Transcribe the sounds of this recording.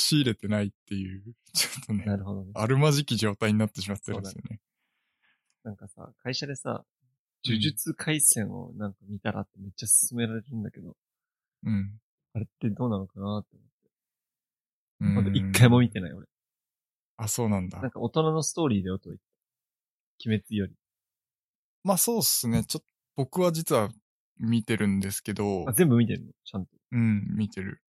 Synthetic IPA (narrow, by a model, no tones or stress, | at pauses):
ɕiːɾe̞t̪e̞nait̪ːe̞jɯː | t͡ɕo̥t̪ʰːonenaɾɯ̟ho̞d̪o̞neaɾɯ̟maʑikʲiʑo̞ːt̪aiɲ̟inat̪ːeɕ̬imat̪ːeɾonsione | nãŋkasa̰kʰaiɕad̪e̞sa̰ | d͡ʑɨʑɨt͡sɨkʰaisẽ̞ɰ̃o̰nãŋkamʲit̪aɾʔa̰t̪ːe̞me̞t͡ɕːasɨ̥sɨme̞ɾaɾe̞ɾɯ̟̃nd̪ake̞d̪o̞̰ | ɯ̟̃ɴ | aɾe̞t̪ːe̞d̪o̞ːnano̞kanat̪oːmo̞t̪ːe̞ | ɯ̃at̪oikːaimo̞mʲit̪e̞naḭo̞̰ɾe | aso̞ːnãnd̪anãŋka̰o̞t̪o̞nano̞sɨ̥t̪o̞ːɾʲiːd̪e̞ot̪oit̪ːe̥ | kʲime̞t͡sɨjo̞ɾʲi | maso̞ːsɨne̞t͡ɕot̪ːob̥o̞kɯ̟βad͡ʑit͡sɨβa | mʲit̪e̞ɾɯ̟̃nd̪e̞sɨ̥ke̞d̪o̞azẽ̞mbɯ̟mʲit̪e̞ɾɯ̰not͡ɕãnt̪o̞̥ɯ̟̃mʲit̪e̞ɾɯ̟̰